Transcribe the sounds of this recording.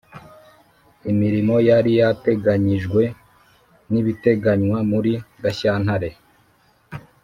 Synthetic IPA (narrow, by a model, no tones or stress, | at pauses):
imiɾimo̞jaɾijate̞ɡaɲiʒɡwe̞ | niβite̞ɡaɲwamuɾiɡaçaːn̥haɾe̞